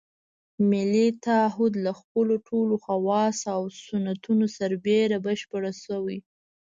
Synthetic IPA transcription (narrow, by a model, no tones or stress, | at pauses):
mɪlit̪aɦʊd̪laxpəloʈʰoloxawɑsawsʊnat̪unosaɾbeɾabəʃpəɽasəwi